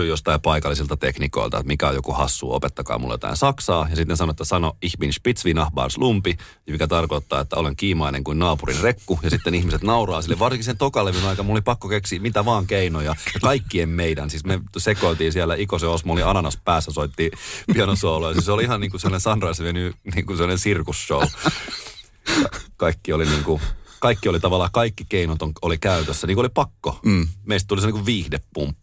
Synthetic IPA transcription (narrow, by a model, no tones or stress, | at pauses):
yjost̪ɑipɑikɑlːˑisilt̪ɑt̪ekniko̰ilt̪ɑ̰ḛt̪mikæo̰jokuhɑsːṵːo̰pet̪ːɑkɑ̰ːmṵl̰ːjo̰t̪ɑ̰insɑksɑːjɑsit̪ːensɑnoet̪ːæsɑnoihminspit̪sʋinɑhbɑ̰ːrslumpi | mikæt̪ɑrkot̪ːɑ̰ːet̪ːæ̰oleŋkiːmɑinḛŋkuinnɑːpurḭnrekːujɑsit̪ːenihmiset̪nɑurɑːsilːeʋʋɑrsiŋkisent̪okɑleʋinɑikɑmulːolipɑkːokeksiːmit̪æʋɑːŋkeinojɑjɑkɑikːiemmeidænsiːsmesekoit̪iːnsiælːˑæʔikoseosmooliɑnɑnɑspæːsːæsoit̪ːiːpiɑnosuɑulojɑsiːseoliihɑnniːŋkusemːonẽnsɑnrɑisemenyniːŋkusemːonesirkusʃou | jɑ̰kɑikːioliniːŋkukɑikːiolit̪ɑʋɑlːˑɑːkɑikːikeinot̪oŋolikæyt̪øsːæniːkuolipɑkːo̰meist̪t̪uliseniːkuʋʋiːhdepːṵmpː